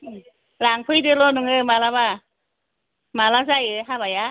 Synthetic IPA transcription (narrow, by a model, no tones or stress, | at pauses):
laŋpʰɯjdɯlɔnuŋɯmalaba | malazajɯɦabaja